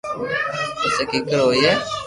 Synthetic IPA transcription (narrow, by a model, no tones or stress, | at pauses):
ɪseːkikəɾoːiɛː